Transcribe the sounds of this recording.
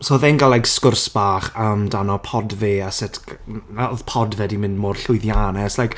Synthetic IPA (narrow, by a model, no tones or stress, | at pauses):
soːðɛnɡalˠajɡskʊrsb̥aːχəmdanɔpʰɔdveːasɪtʰnaɔðpʰɔdvɛdimɪndmoːrɬʊɨðjaːnɛslajk